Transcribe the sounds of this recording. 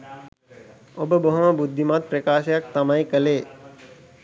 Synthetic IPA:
obəboɦumɐbud̪ʱːimaːt̪̚pɾɐkaːʃjak̚t̪ɐmajkɐleː

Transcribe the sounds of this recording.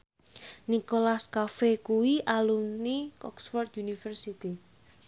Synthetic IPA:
nikolaskafekuwiʔalumnikɔksfɔrt̪junifərsit̪i

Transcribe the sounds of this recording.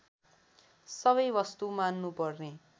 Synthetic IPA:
sʌβʌjbʌst̪umanːupʌrne

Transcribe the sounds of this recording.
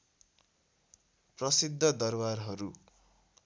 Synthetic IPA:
prʌsid̪ʱːʌd̪ʌrbarɦʌɾu

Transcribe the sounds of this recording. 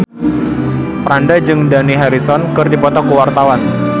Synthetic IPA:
fɾandad͡ʒɨŋdaniɦaɾisɔnkɨrdipɔt̪ɔkəwart̪awan

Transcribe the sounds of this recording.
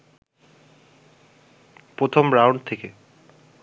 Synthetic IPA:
pɾot̪ʰombɾawɳɖ̚t̪ʰeke

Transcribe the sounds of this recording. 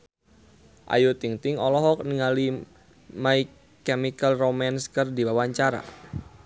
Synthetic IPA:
ʔa̰jut̪iŋt̪ɪŋɔlɔɦɔk̚niŋali | maikː | ɛmikalromanskərdiwawaɲt͡ʃaɾa̰

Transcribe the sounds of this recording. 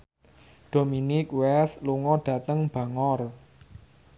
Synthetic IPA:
d̥o̤minɪkwɛsluŋɔɖ̥ä̤t̪əŋb̥ä̤ŋɔr

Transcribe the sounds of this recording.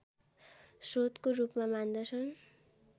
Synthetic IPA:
sot̪korupmamand̪ʌt͡sʰʌn

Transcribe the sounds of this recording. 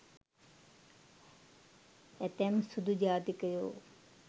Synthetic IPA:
ɛt̪ɛmsud̪ʱud͡ʒaːt̪ikəjoː

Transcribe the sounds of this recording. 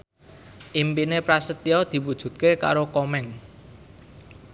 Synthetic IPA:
ʔimpinepɾasət̪iɔd̪̥i̤wud̥ʒ̥ṳt̪̚keka̰ɾokɔmɛŋ

